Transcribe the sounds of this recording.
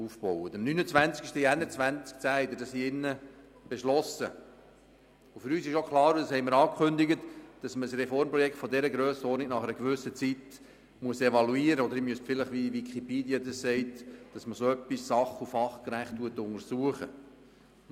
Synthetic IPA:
ufpɔʊətəmnynət͡svænt͡skɪʃtiænːət͡svʋænt͡sk̚t͡sæɪd̪əd̥ɑsiɪnːə | b̥eʃlɔsə | ʊfʏɾyːsɪʃokχlɑːɾudɑshɛɪməɾɑːkʰχʏnd̪ɪɡətd̥ɑsməəsrɛfɔrmpɾɔjɛkχt̪fɔd̪ɛɾəɡɾøːsəɔrnik̚nɑχɛɾəkʋʏsət͡sit̪ | muəsevɑluiːɾəɔd̪əɾɪmyəsfɪləχʋiʋikʰipeːd̪iəd̪ɑssɛɪtd̥ɑsməsoœpːissɑχufɑχkɾæχtːuətʊŋəɾsuəχə

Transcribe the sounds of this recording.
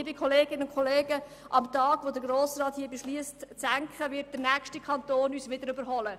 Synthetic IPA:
bɪkχɔleːɡɪnəʊnkχɔleːɡə | ʔɑmtɑːɡ̥ʋod̪əɡɾoːsɾɑːthiːəbeʃliəstt͡sæŋkχəʋɪt̚d̥əɾnæːkʃtikʰɑntoːnyːsʋɪd̪əɾʏbəɾɦɔlə

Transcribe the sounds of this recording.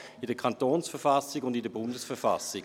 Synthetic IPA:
ɪdəɐkʰɑntoːnsfəɐfasɪɡʊndɪdəɐbʊndəsfəɐfa̰sɪ

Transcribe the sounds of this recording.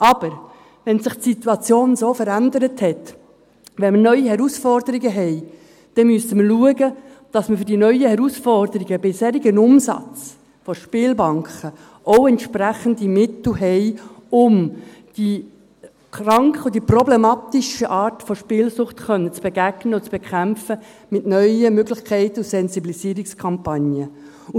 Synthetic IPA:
ʔɑb̥əɾ | ʋɛnsɪχtsit̪wɑt͡sjoːnzoːfəɾænd̪əɾəthɛt̪ | ʋɛnmənœʏihɛɾusfɔrdəɾiɡəɦɛɪ | d̥ɛmystəməluəɡə | d̥ɑsməfʏdinœʏəhɛɾusfɔrdəɾiɡəbɪsheːɾiɡənʊmsɑ̰t͡s | fɔʃpɪːlbɑŋkχə | ʔoʊɛntʃpɾæχəndimɪt̪l̩ɦɛɪʊm | d̥i | krɑŋkχəud̥iprɔblɛmɑːt̪iʃəʔɑːɾtfɔʃpɪːlsʊχtχœnːət͡sb̥ɛɡ̥æɡnəɔt͡sb̥ɛkʰæmfə | mɪtnœʏəmøɡlɪχkʰɛɪt̪əusɛnzibilisiːɾikskʰɑmpɑnjə

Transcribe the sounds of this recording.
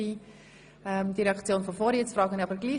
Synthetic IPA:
i | ɛmd̪iɾeɛɑkt͡sjoːnfɔfoːɾit͡sfrɑːɡənɑbəɾɡliː

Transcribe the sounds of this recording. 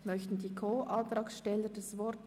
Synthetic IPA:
mœçtn̩diːkʰoːʔɑnt̪ɾɑːksʃtɛlədɛsvɔɾt

